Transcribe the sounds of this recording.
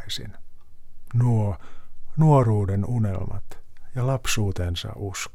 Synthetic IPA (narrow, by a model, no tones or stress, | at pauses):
sḭn | nuo | nuoruːdenunḛlmɑ̰t̪jɑlɑpsuːt̪ensɑ̰ʔusk